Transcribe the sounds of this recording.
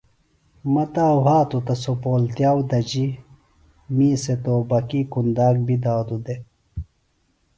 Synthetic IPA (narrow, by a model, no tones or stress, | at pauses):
mɐt̪aːɦaːt̪ut̪ɐsopoːlt̪jaːwd̪ɐd͡ʑi | miːset̪oːbɐkikund̪aːk̚bid̪aːd̪ud̪e